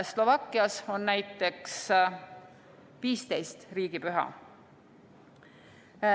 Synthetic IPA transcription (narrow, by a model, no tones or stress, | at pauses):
slo̞vɑkːˑiɑso̞nːæjt̪ːˑe̞ks | viːst̪e̞jst̪riːɡ̥ipyɦɑ̰